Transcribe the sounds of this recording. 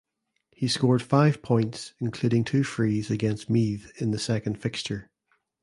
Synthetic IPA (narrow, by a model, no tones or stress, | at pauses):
hiskɔɹd̥faɪv̥pʰɔ̃ɪ̃ntsɪ̃nkʰl̥ʉɾɪ̃ŋtʰʉːfɹizəɡɛ̃nst̚miðɪ̃nðəsɛkə̃nd̥fɪkst͡ʃə˞